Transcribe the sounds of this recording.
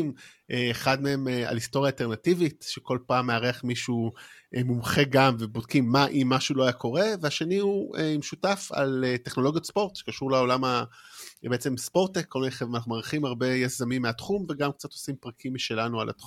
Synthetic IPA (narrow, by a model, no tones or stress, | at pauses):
m | ʔeeχadmee̞ma̰listo̞ʁjaːlte̞ʁnativitʃeko̞lpaːmːeaʁeaχmiʃuʔemumχe̞ɡamve̞bod̚kimːaʔimːaʃulo̞ajako̞ʁe̞veaʃe̞nihuemeʃutafa̰leteχnolo̞ɡjot̪spo̞ʁtʃe̥kaʃuʁleo̞lama | beet͡se̞mspo̞ʁt̪ekʰːolmeeχeanaχnumaʁiχimaʁbe̞jazamimːeatχumveɡamk̚t͡satosimpʁakʰimːiʃe̞lanualʔa̰t̪χ